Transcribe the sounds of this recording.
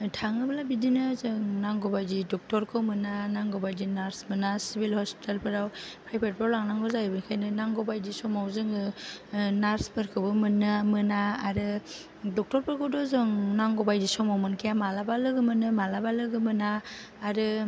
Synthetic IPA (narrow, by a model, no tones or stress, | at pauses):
tʰaŋɯbalabidinɯzɯŋnaŋɡɔbajdidɔk̚tɔɾkʰɯwmɯnanaŋɡɔbajdinaɾsmɯnasibilhɔspi̥telpʰɯɾawpʰɾajpʰet̚pʰɾawlaŋnaŋɡɯzajbɯnkʰajnɯnaŋɡɔbajdisɔmawzɯŋɯ | naɾspʰɯɾkʰɯbɯmɯnɯmɯnaːɾɯ | dɔk̚tɔɾpʰɯɾkʰɯwdɔzɯŋnaŋɡɔbajdisɔmawmɯnkʰijamalabalɯɡɯmɯnɯmalabalɯɡɯmɯnaː | ɾɯ